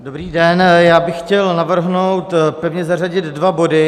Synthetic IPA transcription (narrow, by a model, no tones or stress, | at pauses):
do̞bɾiːdɛnjaːbɪxxcɛlnavr̩ɦnowt̪pɛvɲɛzaraɟɪd̪dvabo̞dɪ